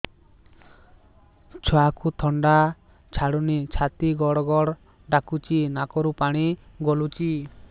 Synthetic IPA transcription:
t͡ʃʰɔakut̪ʰɔɳɖa | t͡ʃʰaɽunit͡ʃʰat̪iɡɔɽɔɡɔɽ | ɖakut͡ʃinakɔɾupaɽ̃i | ɡɔlut͡ʃi

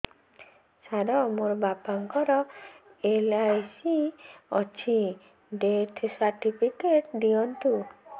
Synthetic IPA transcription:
saɾɔmoɾɔbapaŋkɔɾɔ | elajsiɔt͡ʃʰi | ɖet̪ʰsaɾʈipʰikeʈd̪iɔnt̪u

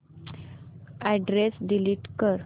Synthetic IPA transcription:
æɖɾesɖiliʈkəɾ

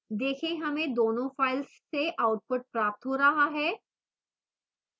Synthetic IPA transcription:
d̪eːkʰẽɦɐmẽd̪oːnõfaːɪlsːeʔaːʊʈ̚pʊʈ̚pɾaːp̚t̪ɦoːɾɐɦaɦɛː

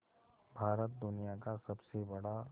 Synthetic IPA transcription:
bʱaːɾət̪̚d̪ʊnijakasɐbsebɐɽa

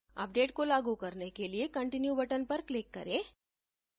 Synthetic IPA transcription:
ɐ̰p̚ɖeːʈkolaːɡukɐɾnekeliekɐ̃ɳʈɪnjubɐʈənpɐɾklɪkːɐ̰ɾẽː

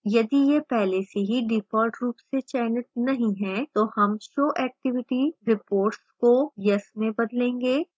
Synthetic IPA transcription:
jɐd̪ijepɛɦleseɦiɖɪpʰɔːɾʈɾuːpset͡ʃɛːnɪt̪̚nɐɦĩɦɛ̃t̪ohɐmʃoːʔɛːk̚ʈɪʋɪʈiɾɪpoːɾʈskojɐsmẽbɐd̪lẽːŋɡeː

